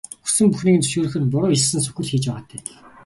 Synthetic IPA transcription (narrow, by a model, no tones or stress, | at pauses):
u̥sɘ̆mpuxniːkɘ̆nt͡sɵ̥ʃuːɾɘ̆xɘ̆t̪pʊɾʊːissɘ̆nsɵ̥xʲɘ̆ɮxiːt͡ɕpæʁaːt̪ʰæːɮ